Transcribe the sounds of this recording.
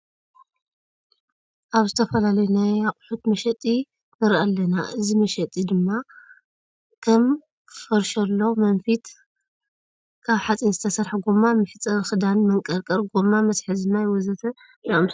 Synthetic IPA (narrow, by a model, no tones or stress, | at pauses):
ʔaβzɨt̪ʰɐfɐlalɐjunajaχʼħut̪mɐʃɐt̪ʼi | nɨɾʔalːɐnaʔɨzimɐʃɐt̪ʼid̪ɨmːa | kʰɐm | kʰɨfɐɾʃɐlːomɐnfit̪ | kʰaβħat͡sʼinzɨt̪ʰɐsɐɾħaɡomamɨfɨt͡sʼːɐɾxɨd̪anmɐŋkʼɐɾkʼɐɾɡomamɐsħɨzɨnajwɔzɐt̪ʰɐ | naoms